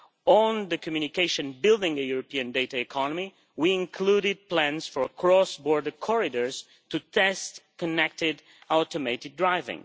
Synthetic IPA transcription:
ɔ̃nðəkʰɔmjunikeɪʃə̃nbɪlˠdɪ̃ŋəjuɹɔpiɨ̃ndeɪtaɛkʰɔnɔmi | wiɪ̃ŋkʰluɾɪd̚plæ̃nz̥fɔɹkʰɹɔsbɔɹdəkʰɔɹɪdəɹz̥ | tut̪ʰɛstkɔnɛk̚tɪd | alt̪əmetɪɡ̚dɹaɪvɪ̰̃ŋ

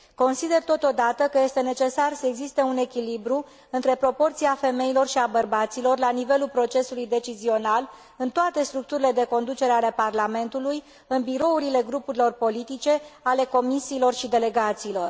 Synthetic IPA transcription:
ko̞nsid̪e̞rt̪o̞t̪o̞d̪at̪əkəje̞st̪e̞ne̞t͡ʃe̞sarsəeɡzist̪e̞une̞kʲilibɾu | ɨnt̪ɾe̞pɾo̞po̞rt̪siafe̞me̞ilo̞rʃiabərbat̪silo̞rlanive̞lulpɾo̞t͡ʃe̞sulujd̪e̞t͡ʃizio̞nal | ɨnt̪oat̪e̞st̪ɾuk̚t̪uɾile̞d̪e̞ko̞nd̪ut͡ʃe̞ɾeale̞parlame̞nt̪uluj | ɨnbiɾo̞uɾile̞ɡɾupuɾilo̞rpo̞lit̪it͡ʃe̞ale̞ko̞misiːlo̞rʃid̪e̞le̞ɡat̪siːlo̞r

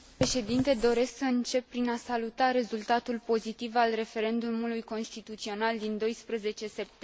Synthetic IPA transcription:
peʃe̞d̪int̪e̞d̪o̞ɾe̞sksəɨnt͡ʃe̞pːɾinasalut̪aɾe̞zult̪at̪ulpo̞zit̪ivalre̞fe̞ɾe̞nd̪umulujko̞nst̪it̪ut̪sio̞nald̪ind̪o̞jspɾəze̞t͡ʃe̞se̞p̚t̪

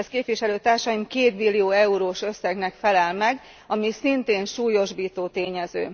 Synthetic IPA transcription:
skeːpʋiʃɛløːt̪aːrʃɒimkeːt̪milːijoːɛuɾoːʃø̞sːɛɡnɛkfɛlɛlmɛɡ | ɒmisint̪eːnʃuːjo̞ʒbiːt̪oːt̪eːɲɛzø̰ː

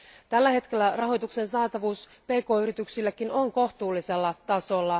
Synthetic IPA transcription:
t̪ælːæhe̞t̪ke̞lːærɑɦo̞jt̪ukse̞nsɑːt̪ɑʋuːspe̞ːko̞ːyɾit̪yksilːæk̟ino̞ŋko̞ht̪uːlːise̞lːɑt̪ɑso̞lːɑ

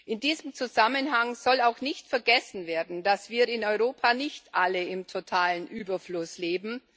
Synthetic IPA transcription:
ʔɪndiːzəm̩t͡suzamənɦaŋz̥ɔlaʊxnɪçtfɛɐɡɛsn̩veːɐdn̩dasv̥iːɪnɔʏʁoːpʰanɪçtʔaləɪmtʰotʰaːlənʔyːbɐflʊsleːbm̩

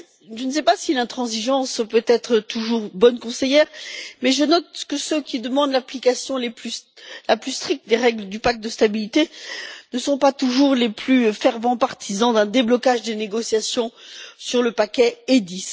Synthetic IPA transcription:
ʒəns̬ɛpasilɛ̃t̪χɑ̃ziʒɑ̃spøt̪ɛt̪χət̪uʒuʁbɔnkɔ̃sejɛʁmɛʒənɔt̪kəsøkʲid̪əmɑ̃d̪laplikasjɔ̃leplylaplyst̪χik̚t̪̚d̪eʁɛɡləd̪ypak̚t̪̚d̪əst̪abilit̪enəsɔ̃pat̪uʒuʁleplyfɛʁvɑ̃paʁt̪ʰizɑ̃d̪ɛ̃d̪eblɔkaʒd̪eneɡɔsjasjɔ̃syʁləpakʲɛed̪is

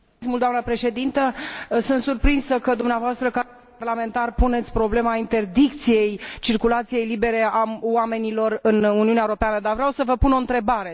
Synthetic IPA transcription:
smuld̪oanəpɾe̞ʃe̞d̪int̪əsɨnt̪surpɾinsəkəd̪umneavoast̪ɾəka | arlame̞nt̪arpune̞t̪sʲpɾo̞ble̞maint̪e̞rd̪ik̚t̪sije̞jt͡ʃirkulat̪sije̞jlibe̞ɾe̞awame̞nilo̞rɨnuniuneaeuɾopeanəd̪arvɾeawsəvəpunoɨnt̪ɾe̞baɾe̞

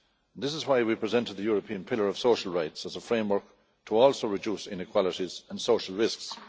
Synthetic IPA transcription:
ə̃nðɪs̬ɪzwaɪwipʰɹ̥ɪzɛ̃ntəd̪̚ðəjɔɹəpʰĩə̃npʰɪlə˞ʌv̥soʊʃəl̩ˠɹaɪtsəzəfɹẽɪ̃mwə˞k̚ | tʰəɔːlˠsoʊɹɨduːsɪ̰̃nɪkʰw̥ɑlɪɾizə̃nsoʊʃəlˠɹɪsks

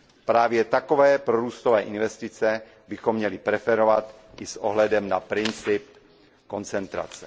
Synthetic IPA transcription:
pɾaːvjɛt̪akovɛːpɾoɾuːst̪ovɛːʔɪnvɛst̪ɪt͡sɛ | bɪxomːɲɛlɪpɾɛfɛɾovat̪ʔɪsʔo̰ɦlɛdɛmna̰pɾɪnt͡sɪp̚ | ko̞nt͡sɛnt̪ɾa̰t͡sɛ

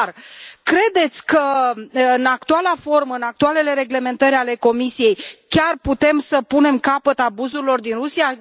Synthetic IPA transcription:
rkɾe̞d̪e̞t̪sʲkəɨnak̚t̪ualafo̞rməɨnak̚t̪uale̞le̞ɾe̞ɡle̞me̞nt̪əɾʲale̞ko̞misije̞jkʲarput̪e̞msəpune̞mkapət̪abuzuɾilo̞rd̪inrusija

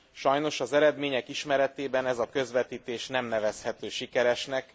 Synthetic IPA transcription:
ʃɒjno̞ʃɒzɛɾɛd̪meːɲɛkiʃmɛɾɛt̪eːbɛnɛzɒkø̞zʋɛt̪iːt̪eːʃnɛmnɛvɛshɛt̪øːʃikɛɾɛʃnɛk

